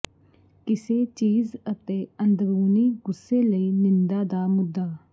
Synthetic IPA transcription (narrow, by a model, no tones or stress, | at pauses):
kɪseːt͡ʃiːzət̪eːənd̪ɾuːniːɡʊsːeːləiːnɪnd̪aːd̪aːmʊd̪ːaː